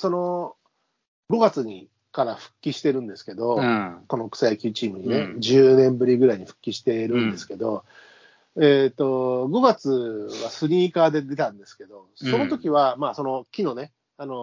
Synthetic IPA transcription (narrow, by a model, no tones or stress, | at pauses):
so̞no̞ | ɡo̞ɡat͡sɨɲ̟i | kaɾaɸɯ̟̥kʲːiɕi̥t̪e̞ɾɯ̟̃nd̪e̞sɨ̥ke̞d̪o̞ko̞no̞kɯ̟̥sajakʲɨːt͡ɕiːmɯ̟ɲ̟ine̞d͡ʑɨːnẽ̞mbɯ̟ɾʲiɡɯ̟ɾaiɲ̟iɸɯ̟̥kʲːiɕi̥t̪e̞ɾɯ̟̃nd̪e̞sɨ̥ke̞d̪o̞ | eːt̪o̞ɡo̞ɡat͡sɨβasɨɲ̟iːkaːd̪e̞d̪e̞t̪ãnd̪e̞sɨ̥ke̞d̪o̞so̞not̪o̞kʲiβ̞amaːso̞no̞kʲino̞ne̞ | ano̞